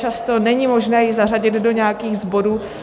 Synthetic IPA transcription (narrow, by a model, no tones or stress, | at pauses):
t͡ʃast̪o̞nɛɲimo̞ʒnɛːjɪzaraɟɪd̪do̞ɲɛakiːɣzbo̞duː